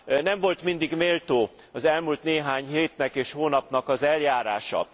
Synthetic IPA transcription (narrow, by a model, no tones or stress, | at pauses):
nɛɱvo̞lt̪mind̪iɡmeːlt̪oː | ɒzɛlmult̪neːɦaːɲɦeːt̪nɛkeːʃhoːnɒpnɒkɒzɛljaːɾaːʃɒ̰